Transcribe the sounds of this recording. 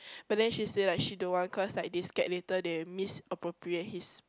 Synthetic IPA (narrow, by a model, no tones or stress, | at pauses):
b̥at̚dɛ̃nʃisedɛt̚ʃidõwɔ̃nkʰɔslak̚diskɛʔ̚letədemisəpɹopɹiet̚his